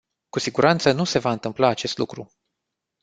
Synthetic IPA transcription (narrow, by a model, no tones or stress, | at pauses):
kusiɡuɾʔant̪sənuse̞vaɨnt̪ɨmplaːt͡ʃe̞st̪lukɾu